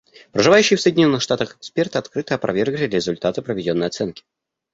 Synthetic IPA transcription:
pɾəʐɨvajʉɕːɪjːfsəjdʲɪnʲo̞nːɨxʂt̪at̪əxkspʲe̞rt̪ɨɐt̪kɾɨt̪ɨɐpɾʔɐ̰vʲe̞rɡlʲɪɾʲɪzʊlʲt̪at̪ɨpɾəvʲɪdʲo̞nːəjɐt̪sɛnkʲɪ̥

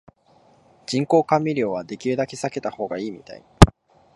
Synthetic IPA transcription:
d͡ʑĩŋko̞ːkãmːʲiɾʲo̞ːβad̪e̞kʲied̪akʲesake̞t̪aho̞ːɡaiːmʲit̪a̰ḭ

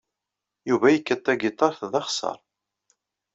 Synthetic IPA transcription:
juvæjəkːət̪ːæɡit̪ˤːɑɾθðɑχsɑ̰ɾˤ

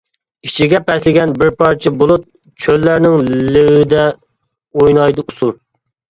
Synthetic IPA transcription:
it͡ʃʰiɡʲɛpɛslɪɡʲɛnbɪɾpʰɑɾt͡ʃʰibolˠut̪̚ | t͡ʃʰølːæɾnɪŋlɪwɪd̪ɛ | ojnɑjd̪ɨusulˠ

